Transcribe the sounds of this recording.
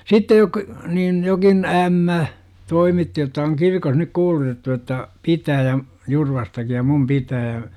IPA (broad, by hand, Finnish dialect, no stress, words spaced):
sitːej jok niːn jokin æmːæ toimitːi jotːɑ oŋ kirkon nyk kuːlutetːu jotːɑ pitæː jɑ jurʋɑstɑki jɑ mum pitæː